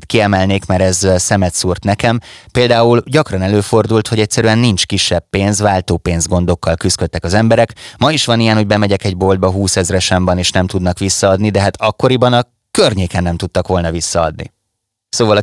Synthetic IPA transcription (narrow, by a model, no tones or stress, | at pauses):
t̪kiɛmɛlneːkmɛɾɛzsɛmɛt̪suːrt̪nɛkɛmpeːld̪aːulɟɒkrɒnɛløːfo̞rd̪ult̪ho̞ɟɛc̚ʲsɛɾyɛnːint͡ʃkiʃːɛbːeːnzʋaːlt̪oːpeːnzɡo̞n̪d̪o̞kːɒlkyskøt̪ːɛkɒzɛmbɛɾɛkmɒiʃʋɒnijɛnho̞ɟ̚bɛmɛɟɛkɛɟ̚bo̞ld̪̚bɒɦuːsɛzrɛʃɛmbɒneːʃnɛmt̪ud̪nɒkʋisːɒɒd̪nid̪ɛɦat̪ɒkːo̞ɾibɒnɒ | kørɲeːkɛnːɛmt̪ut̪ːɒkʋo̞lnɒvisːɒɒd̪nḭ | soːvɒlɒ